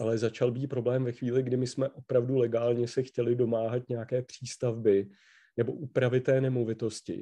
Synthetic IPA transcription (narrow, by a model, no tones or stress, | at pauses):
ʔalɛzat͡ʃalbiːt̪̚pɾo̞blɛːmvɛxviːlɪɡdɪmɪsmɛʔo̞pɾavdulɛɡaːlɲɛsɛxcɛlɪdo̞maːɦat̪ɲɛjakɛːpr̝̥iːst̪avbɪ | nɛbo̞ʔupɾavɪt̪ːɛːnɛmo̞vɪt̪o̞scɪ̰